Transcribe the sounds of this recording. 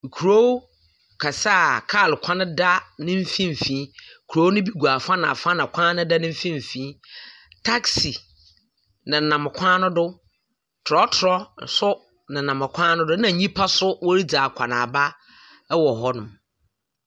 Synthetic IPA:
ŋ̩˨kʰu˨ɾo˦w | kʰa˨sa˦˨kʰa˦˨lkʷʰã˦nɪ̃˦da˦nɪ̃˦m̩˦fĩ˦m̩˨fĩ˨˦˨kʰu˨ɾo˦nʊ̃˦bi˦ɡu˨a˨fã˦nã˨fã˦nã˨kʷʰã˦nʊ̃˦da˦nɪ̃˦m̩˦fĩ˦m̩˨fĩː˦ | tʰa˦ksi˨ | nɪ̃˨nã˨m˨kʷʰã˦nʊ̃˦dʊ˦ | tʰʊ˨ɾɔ˦tʰʊ˨ɾɔ˦˨sʊ˦ | nɪ̃˨nã˨mã˨kʷʰãː˦nʊ̃˦dʊ˦nã˨ɲĩ˦pʰa˦sʊ˦wɔ˦ɾi˦d͡zaː˨kʷʰa˨nã̰˨ba˦ | wɔ˨ɦɔ˦nʊ̃˨m

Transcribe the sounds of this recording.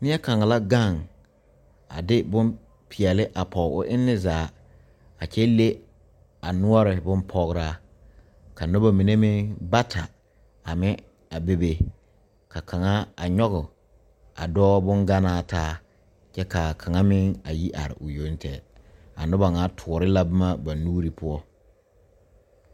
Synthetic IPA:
nɪ˦ɛ˦ka˨ŋa˨la˦ɡa˦˨ŋ | a̰˨dɪ˦bʊ˦m | pʰɪ˨ɛ˨lɪ˦ʔa˨pʰɔ˨ʊ˦ʔɪ˦nːɪ˦zaː˨˦ | a˨t͡ʃɛ˦le˦ | a˨nʊ˦ɔ˦ɾɪ˨bʊ˦mpʰɔ˦ɣɾa˦ | ka˨nʊ˦ba˨mi˨ne˦mɪ˦ŋba˦tʰa˨ | a˨mɪ˦ | a˨be˦be˦ | kʰa˨ka˨ŋa˦a˨ɲɔ˦ɣʊ˨ | a̰˨dɔː˦bʊ˦ŋɡa˦naː˦taː˦ | t͡ʃɛ˦ka˨kʰa˨ŋa˦mɪ˦ŋa˨ji˦ʔa̰˨ɾɪ̰˨ʔʊ˨jo˨˦n˦tʰɛ˨ | a˨nʊ˦ba˨ŋa˨˦tʰʊ˨ɾɪ˦la˦bʊ˦ma˦ba˨nuː˦ɾi˨pʰʊ˦ɔ˦

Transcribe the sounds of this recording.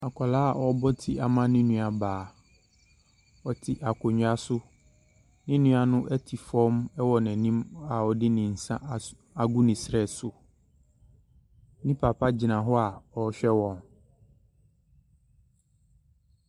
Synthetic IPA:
a˨kʰɔ˨laː˦a˨ʔɔ˦bɔ˦tʰi˦a˨mã˦nɪ̃˦nũ˨a˨baː˨ | ɔ˨tʰɪ˨ʔa˨kʰɔ˨ɲ˨a˨sʊ˦ | nɪ̃˦nũ˦a˨nʊ̃˦ʔɛ˦tʰi˨fɔ̃˦mɛ˦wɔ˨nɛ̃˨nĩ˦ma˨ɔ˨dɪ˦nɪ̃˨n̩˨sã˦ʔ | a˨ɡu˦nɪ̃˨sɾɛ˦˨sʊ˨ | nĩ˦pʰa˨pʰa˦d͡ʑɪ˨nã˨ɦɔ˦a˨ɔ˨˦ɕᶣɛ˦wɔ̃˨n

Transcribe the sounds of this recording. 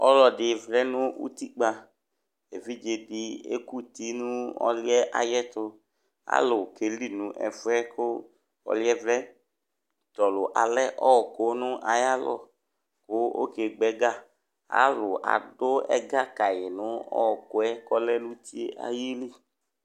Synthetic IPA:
ɔ˦lɔ˨dɪ˨vlɛ˦nʊ˦ṵ˦t̪i˦ɡ͡ba˧ | e˨vi˦d͡ʒe˧dɪ˨ḛ˦ku˦t̪i˦nũ˦ɔ̰˦lɪ˦ɛ˦ʔa̰˨jɛ˦t̪ʊ˧ | a̰˦lʊ˨ke˨li˦˨nũ˨˦ʔɛ̰˨fɛ˦kʊ˦ | ɔ̰˨lɪ˦ɛ˦vlɛ˦ | t̪ɔ˨lʊ˨ʔa˨lɛ˦ʔɔ˦ɔ˨ko˨˦nʊ˦ʔa˨ja˦lɔ̰˦˨ | kʊ˦o̰˦ke˨ɡ͡bɛ˨˦ɡa˦˨ | a̰˦lʊ˨a̰˨dʊ˦ɛ̰˦ɡa˦ka˨jɪ˨nʊ˨˦ɔ̰˦ɔ˨kʊ˦ɛ˦kɔ˦lɛ˦lu˦t̪i˦ḛ˦ʔa̰˨ji˦li˦˨

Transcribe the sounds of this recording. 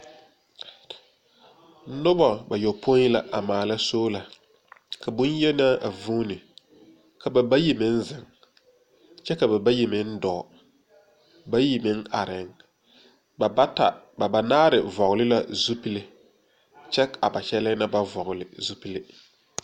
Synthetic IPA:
nʊ˦ba˨ba˨jo˨pʰo˦i˦la˨ʔa˨maː˨la˦soː˦la˨ | ka˨bʊ˦n˦jɛ˦na˦a˨vuː˦nɪ˨ | ka˨ba˨ba˦ji˨mɪ˦n̩˦zɪ˨ŋ | t͡ʃɛ˦ka˨ba˨ba˦ji˨mɪ˦n̩˦dɔː˨ | ba˦ji˨mɪ˦ŋa˨ɾɪ˨ŋ˨˦ | ta̰˨ba˨ba˨naː˦ɾɪ˨vɔ˨ɣʊ˨lɪ˦la˦zu˦pi˦lɪ˨ | t͡ʃɛ˦a˨ba˨t͡ʃɛ˦lɪ˦na˦ba˦vɔ˨ɣʊ˨lɪ˨zu˦pi˦lɪ˦

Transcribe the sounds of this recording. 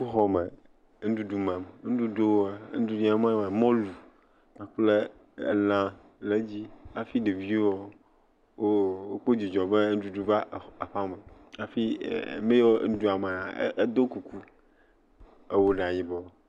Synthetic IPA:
u˦ɦɔ˦me˨˦ | ŋ̩˦ɖu˦ɖu˨mã˨me˨ŋ̩˦ɖu˦ɖo˦wo˦a˨˦n̩˦du˦di˦a˦mã˦ma˨mɔ̃˦lu˨ | ã˨k͡plḛ˦˨ | lã˦ | le˦d͡ʑi˦a˨fi˦ɖe˨vi˦o˦wɔ˦ | wo˦wo˦k͡po˦d͡ʑi˨d͡ʒɔ˨be˦n̩˦ɖu˦ɖu˨va˦˨a˨ɸa˦me˨a˨fḭ˦˨mẽ˦jo˦n̩˦du˦a˨me˨a̰˨˦e˦d̪o˦ku˨ku˦ | e˨wo˨ɖã˨ɲĩ˨bɔ˨

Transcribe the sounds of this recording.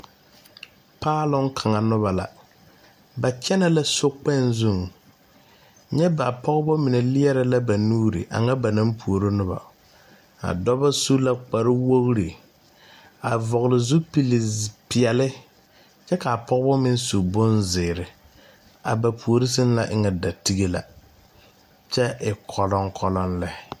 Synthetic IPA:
paː˦lʊ˦ŋkʰa˨ŋa˨nʊ˦βa˨la̰˨ | ba˨t͡ʃɛ˦na˨la˦sʊ˦k͡pɛ˦nzu˦˨ŋ | ɲɛ˦ba˨pʰɔ˦ɣbɔ˦mɪ˨nɛ˨lɪ˦ɛ˦ɾɪ˦la˦ba˨nuː˦ɾḭ˨ʔa̰˨ŋa˦ba˨na˦mpʰu˨o˨ɾo˦nʊ˦ba̰˨ | a̰˨dɔ˦ba˦su˦la˦k͡pa˨ɾɪ˦wo˦ɣɾi˨ | a˨vɔ˨ɣɪ˨lɪ˨zʊ˦pi˨lɪ˨pɪ˨ɛ˨lɪ˦ | t͡ʃɛ˦ka˨pʰɔ˦ɣbɔ˦mɪ˦n˦su˨bʊ˦nzɪː˨ɾɪ˨ | a̰˨ba˨pʰu˨o˨ɾi˦sɪ˦n˦la˦˨ʔɪ˦ŋɛ˨da˨ti˦ɡe˦la̰˨ | t͡ʃɛ˦ɪ˨kʰɔ˨lɔ˦ŋkʰɔ˦lɔ˦nlɛ˦

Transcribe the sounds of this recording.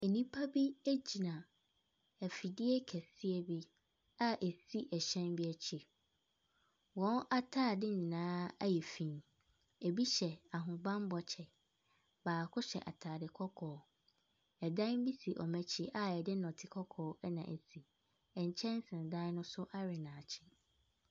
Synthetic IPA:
e˨nĩ˦pʰa˦bi˦e˦d͡ʑi˨nã˨ | ɛ˨fi˨dɪ˦ɛ˦kʰɛ˨si˦e˦bi˦ | a˦ʔe˨si˦ʔɛ˨ɕɛ̃˦nbi˦ɛ˨t͡ɕʰi˨ | wɔ̃˦na˦tʰaː˦˨dɪ˦ɲĩ˨nãː˦a̰˦jɛ˨fĩ˨˦ | e˨bi˦ɕɛ˨a˨ɦʊ̃˨bã˦m˦bɔ˨t͡ɕʰɛ˨ | baː˨kʰʊ˦ɕɛ̰˨ʔa̰˨tʰaː˨dɪ˨kʰɔ˦kʰɔː˨ | ɛ˨dã˦m˦bi˦si˨ʔɔ˨mæ̃˦t͡ɕʰi˦ʔa˦ɛ˨dɪ˦nɔ̃˨tʰɪ˨kʰɔ˦kʰɔː˨˦nã˨ʔe˨si˨ | ɛ˨ɲ̩˨t͡ɕʰɛ̃˦n˦sɪ̃˨n˨dã˦n˦nʊ̃˦sʊ˦ʔa˦ɾɪ˨nã˨t͡ɕʰɪ˦

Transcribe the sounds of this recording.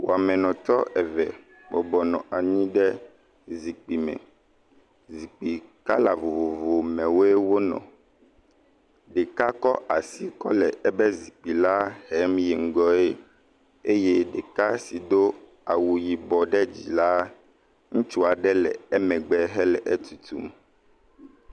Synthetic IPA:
wo˨a˨mɛ̃˨nɔ̃˨t̪ɔ˦ʔɛ˨vɛ˨ | bɔ˨bɔ˨nɔ̰̃˨ʔa˨ɲĩ˦ɖɛ˦ | zi˨k͡pi˨mɛ̰̃˨ | zi˨k͡pi˨ka˦la˨vo˨vo˨vo˨mɛ̃˨wo˦e˦wo˦nɔ̰̃˨ | ɖe˨ka˦kɔ˦ʔa˨si˦kɔ̰˦lɛ˨ɛ˦bɛ˦zi˨k͡pi˨la˦hɛ˦mjɛ˨ŋ̩˨ɡɔ˨e˦ | e˦jɛ˦ɖe˨ka˦si˨d̪o˦ | a˨wu˨ji˨bɔ˨ɖɛ˦d͡ʑḭ˨la˦ | ŋũ˦t͡ʃu˦a˨ɖɛ˦lɛ̰˨ɛ˦mɛ̃˨ɡ͡bɛ˦ɦɛ˦lɛ˨ʔɛ˦t̪ʰu˨t̪ṵ˨m

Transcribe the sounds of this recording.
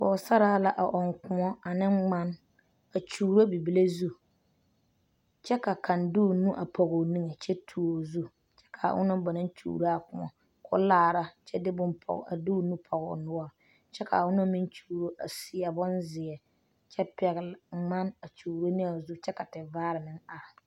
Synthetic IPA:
fɔ˨sa˦ɾaː˦la˦ʔa˨ʔɔ˨ŋkʊ˨mɔ˦a˨nɪ˦ŋ͡ma˦n | a˨t͡ʃuː˨ɾo˦bi˨bi˦le˦zu˦ | t͡ʃɛ˦ka˨ka˨nduː˦˨nu˦ʔa˨pɔ˨ɣo˨ni˦ŋe˨t͡ʃɛ˦tʰu˨o˨zu˦ | t͡ʃɛ̥˦kʰa̰˨ʔʊ̰˦nʊ˦ba˨nɪ˦n˦t͡ʃṵː˨ɾa˦a˨kʊ˨mɔ̰˨ | kʰʊ̰˦laː˨ɾa˦t͡ʃɛ˦dɪ˦bʊ˦npʰɔ̰˨a̰˨du˦nu˦pʰɔ˨ɣʊ̰˨nʊ˦ɔ˦ | t͡ʃɛ˦kʰa̰˨ʊ˦nʊ˦mɪ˦nt͡ʃuː˨ɾo˦ʔa̰˨sɪ˨a˨bʊ˦nzɪ˨ɛ˨ | t͡ʃɛ˦pɛ˨ɣɪ˨lŋ͡ma˦na˨t͡ʃuː˨ɾo˦nɪ˦a˨zu˦t͡ʃɛ˦ka˨tɪ˨vaː˦ɾɪ˨nɪ˦ŋa˨ɾɪ˨

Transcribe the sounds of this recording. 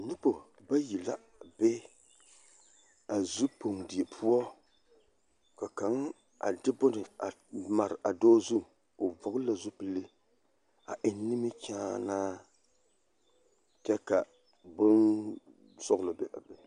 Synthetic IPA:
ɲi˦po˨ | ba˦ji˨la˦ | be˦ | a˨zu˦po˨ŋdi˨e˨pʰu˦ɔ˦ | ka˨ka˨˦ŋ | a̰˨dɪ˦bʊ˦nɨ˨a˨ma˨ɾɪ˨ʔa˨dɔː˦zu˦ | o˨vɔ˨ɡla˨zu˦pɨ˦lːɨ˦ | a̰˨ʔɪ˨nː˦i˦mi˦t͡ʃaː˦naː˦ | t͡ʃɛ˦ka˨ | bʊ˦n | sɔ˦ɣlo˨bɛ˨ʔa̰˨bɛ˨

